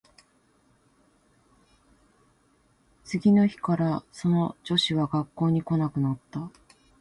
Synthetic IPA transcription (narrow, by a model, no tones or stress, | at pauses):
t͡sɨɡʲino̞çi̥kaɾaso̞no̞d͡ʑo̞ɕiβaɡakːo̞ːɲ̟iko̞nakɯ̟nat̪ːa